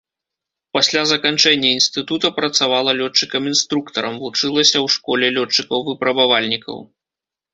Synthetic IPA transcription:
pasʲlʲazɐkant͡ʂɛnʲːɐinst̪ɨt̪ut̪ɐpɾɐt̪savalˠɐlʲɔt͡ʂːɨkɐminst̪ɾukt̪ɐɾɐmvut͡ʂɨlˠɐsʲɐwʂkɔlʲɛlʲɔt͡ʂːɨkɐwvɨpɾɐbavalʲnʲikɐ̰w

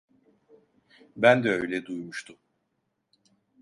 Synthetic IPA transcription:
bænd̪ɛø̞jlʲɛd̪ujmuʃt̪ʰum

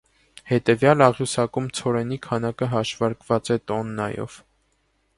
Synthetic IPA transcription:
hɛt̪ɛvjɑlɑʁjusɑkumt͡sʰɔɾɛnikʰɑnɑkəɦɑʃvɑɾkvɑt͡sɛt̪ɔnːɑjɔ̰v̥

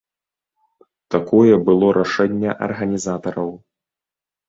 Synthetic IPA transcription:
t̪akʰɔjɛbɨlˠɔɾʔaʂɛnʲːɐʔɐ̰rɣɐnʲizat̪ɐɾɐw

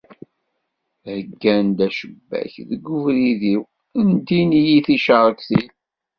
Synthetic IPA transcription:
həɡːænd̪æʃəbːæ̰çðəɡːuvɾiðiw | ənt̪inijiθiʃəɾˤəkθil

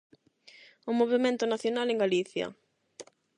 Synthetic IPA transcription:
ʊmoβemẽnt̪ʊnaθjonaleŋɡaliθjɐ̰

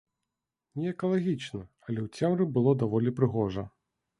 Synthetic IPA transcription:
nʲɛɛkɐlˠaɣʲit͡ʂnɨ | ɐlʲɛwt͡sʲɛmɾɨbɨlˠɔd̪avɔlʲipɾɨɣɔʐɐ̰

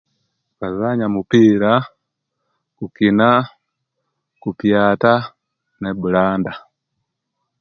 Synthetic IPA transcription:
kazaɲamupiːɾa | kukina | kupjaːta | neβulaːnda

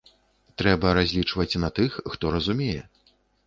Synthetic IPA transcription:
t̪ɾɛbɐɾazʲlʲit͡ʂvɐt͡sʲnɐt̪ɨxːt̪ɔɾɐzumʲejɛ

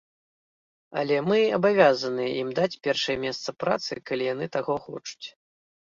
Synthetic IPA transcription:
ɐ̰lʲɛmɨɐbavʲazɐnɨjɛʔimd̪at͡sʲpʲɛrʂɐjɛmʲɛst̪sɐpɾat̪sɨ̰kalʲijanɨt̪aɣɔxɔ̰t͡ʂu̥t͡sʲ

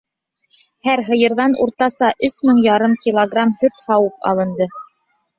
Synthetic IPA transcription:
hæɾɦɤ̆jɤ̆ɾðɑnʔṵɾt̪ɑsɑʔɵsmɘɴjɑɾɤmkʲilˠoɡramhɵɾt̪hɑwup̚ɑ̰lˠɤ̆nd̪ɤ

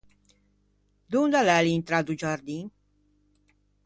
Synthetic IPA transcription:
d̪und̪alɛliint̪ɾad̪ud͡ʒaɾd̪in

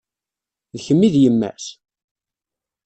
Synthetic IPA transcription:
ðçəmːiðjəmːæ̰s

